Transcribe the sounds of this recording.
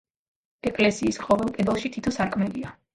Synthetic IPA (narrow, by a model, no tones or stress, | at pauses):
ɛkʼlɛsiːsqʼɔvɛlˠpʼɛd̪ɛlˠʃit̪ʰit̪ʰɔsaɾkʰʼmɛlia